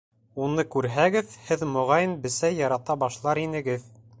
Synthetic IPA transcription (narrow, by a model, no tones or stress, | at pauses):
unɤkʉɾɦæɡɘðhɘðmŏʁɑjɤnbɘ̆sæjjːɑɾɑt̪ɑbɑʃlˠɑɾinɘ̆ɡɘð